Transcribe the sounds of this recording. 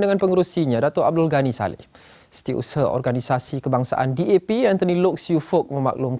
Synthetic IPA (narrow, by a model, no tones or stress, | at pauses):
dəŋanpəŋəɾusiɲãdat̪ʊɾʔa̰b̚dʊlɡanĩsa̰lɪ̰ | sə̥t̪ia̰ʔṵsəɔ̰rɡanisasikəbaŋsa̰ʔa̰ndiepiant̪ənilʊk̚sjufʊk̚məma̰k̚lʊm